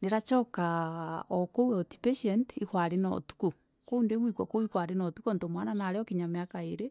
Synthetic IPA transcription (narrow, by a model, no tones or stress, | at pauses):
neɾat͡ʃɔkaokoueoti̥peʃɛntixwaɾenɔ̰tu̥ku | koundewikwakoikwaɾenotukontomwananaɾeɔkiɲameakaeɾe